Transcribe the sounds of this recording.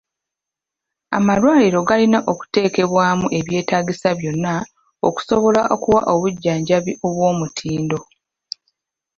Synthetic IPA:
a̰malwaːliɾo̞ɡalinaʔo̞ku̥te̞ːke̞βwaːmuʔe̞βje̞ːtaːɡisaβjo̞nːa | oku̥so̞βo̞laʔokuwa̰ʔo̞βuɟːaːɲɟaβiʔo̞βwo̞ːmutʰiːndo̞

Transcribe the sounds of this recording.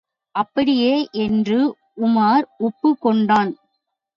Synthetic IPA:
ʔɐpːɐɽɪjeːʔɛndrɯ | ʊmaːɾʊpːɯkːɔɳɖaːn

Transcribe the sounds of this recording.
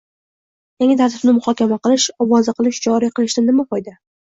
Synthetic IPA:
jaŋʲɪt̪ʰaɾt̪ʰɪb̥nɪmʊhɒkʲamaqɨlˠɪʃɒwɒzɨqʰɨlˠɪʃd͡ʒɒɾiqɨlˠɪʃd̪anɪmaqɒjd̪a

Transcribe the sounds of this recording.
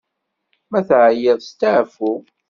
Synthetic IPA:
mæθʕjəðˤst̪aʕfu

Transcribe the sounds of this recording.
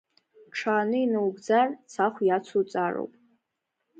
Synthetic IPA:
ʈ͡ʂʰaːnɨinɨwɡd͡zart͡sʰaχʷjat͡sʰut͡sʼaro̰wpʼ

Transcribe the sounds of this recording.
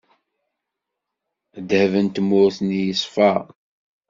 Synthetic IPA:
d̪həvənt̪mːʊɾθənijəsˤfɑ

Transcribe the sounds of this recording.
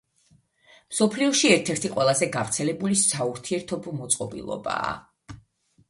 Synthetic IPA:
msɔpʰliɔʃiɛɾt̪ʰɛɾt̪ʰiqʼwɛlˠazɛɡavɾt̪sʰɛlɛbulisauɾt̪ʰiɛɾt̪ʰɔbɔmɔt̪sʼqʼɔbḭlˠɔ̰ba̰ː

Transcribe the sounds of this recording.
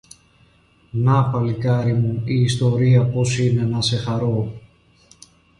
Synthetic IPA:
nɐpɐlikɐɾimuiːst̪o̞ɾiɐpo̞sine̞nɐse̞xɐɾo

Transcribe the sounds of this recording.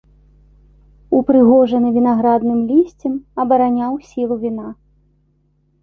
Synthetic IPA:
upɾɨɣɔʐɐnɨvʲin̪aɣɾad̪nɨmlʲisʲt͡sʲɛmɐbɐɾanʲawsʲilˠuvʲina

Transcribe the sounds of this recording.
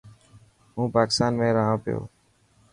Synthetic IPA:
ɦũːpaːkɪst̪aːnmẽːɾəɦãːpɪjo̰ː

